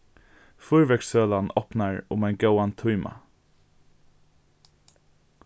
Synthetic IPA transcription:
fʊɹʋɛksøːlanɔ̰pnaɹʊ̰maɪnɡaʊant̪ʰuʏmʔa̰

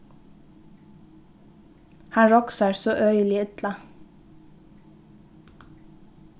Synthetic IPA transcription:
hɑnɹɔksɑɹsoːʔœʏlɪʏt̪lɑ

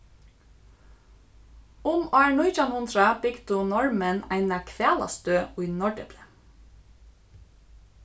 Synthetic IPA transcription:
ʊmɑːɳɔʏt͡ʃɑnʊnt̪ɾɑb̥ɪɡd̪ʊnɔɹmənæɪnɑkʰʋæːlɑ̰st̪øːʉʏnɔɖɛ̰blə

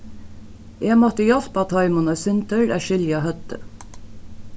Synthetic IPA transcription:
ʔeːɡmɔt̪əjɛlpɑt̪ʰɑɪmʊnɑsʏnt̪əɹæːʃʏljɑhœt̪ə̰

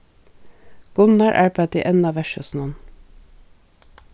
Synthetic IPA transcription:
ɡ̥ʊnɑɹʔæ̰ːɹpʰɑt̪ḭːʔɛnɑʋæʃəsnɔn

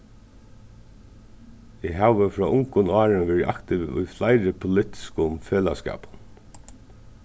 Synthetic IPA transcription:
ɪɦæːʋəfɾɔːʔʊŋkʊnɑːɹɪnʋɛɹʔa̰kt̪ɪʋʊ̰jflaɪɾɪpʰʊlɪht̪ɪ̥skʊmfeːla̰skɑ̰ːpʊn

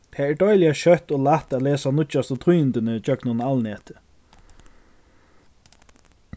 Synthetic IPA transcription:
t̪ʰɛːɛːɖɔjlɪaɕœt̪oːlat̪at̪lɛːsanʊt͡ʃːast̪ɔt̪ʰujɪnt̪ɪnət͡ʃœknʊnalnɛːt̪ɪ̥

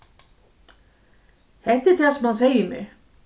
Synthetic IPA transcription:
hɛht̪ɪɾ̥t̪ʰasɛmhaðseːjɪmɛ̰

